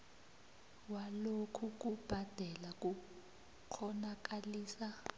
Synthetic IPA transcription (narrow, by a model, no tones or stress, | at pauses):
walokʰuk̬ub̥ʱad̥ʱɛlak̬ʼu | kʰɔnak̬aliːsa